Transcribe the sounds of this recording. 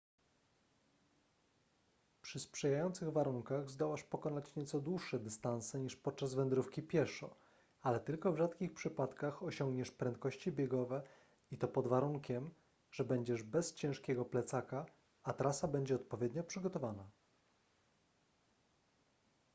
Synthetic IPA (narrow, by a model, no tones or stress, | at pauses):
pʂɘspʂɛjajɔnt̪sɘɣvaɾuŋkaɣzd̪ɔwaʂpɔkɔnat͡ɕɲɛt̪sɔd̪wuʂːɛd̪ɘst̪ansɛɲiʂpɔt̪̚t͡ʂazvɛnd̪ɾufkʲipʲjɛʂɔ̰ | alɛt̪ɘlkɔvʐat̪kʲixpʂɘpat̪kaxɔɕɔŋɡɲɛʂpɾɛnt̪̚kɔɕt͡ɕibʲjɛɡɔvɛ | it̪ɔpɔd̪vaɾuŋkʲɛm | ʐ̥ɛbɛɲd͡ʑɛʐbɛst͡ɕɛ̃ʂkʲɛɡɔplɛt̪saka | at̪ɾasabɛɲd͡ʑɛɔt̪̚pɔvʲjɛd̪ɲɔpʂɘɡɔt̪ɔvana